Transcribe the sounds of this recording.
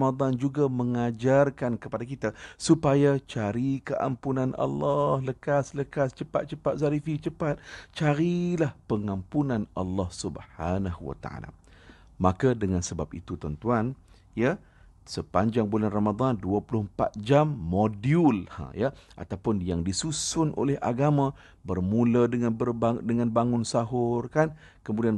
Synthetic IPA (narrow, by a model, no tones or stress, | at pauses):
mad̪ˤand͡ʒuɡamə̃ŋad͡ʒarkankəpadakit̪asupajat͡ʃaɾikəʔa̰mpunãnʔɑ̰lːɑhləkasləkast͡ʃəpat̪̚t͡ʃəpat̪̚saɾifit͡ʃəpat̪̚t͡ʃaɾilahpəŋãmpunãnalːɑhsubhanahuwa̰t̪a̰a̰la̰ | makadəŋansəbap̚ḭt̪ut̪ɔnt̪uan | ja | səpaɲd͡ʒaŋbulanramad̪ˤanduapulʊhmpa̰t̪̚d͡ʒamːodiʊlhã̰jaʔa̰t̪awpʊnjaŋdisusʊnʔo̰lɛhʔa̰ɡamã | bərmũladəŋanbəradəŋãnbaŋʊnsaɦʊrkan | kəmudian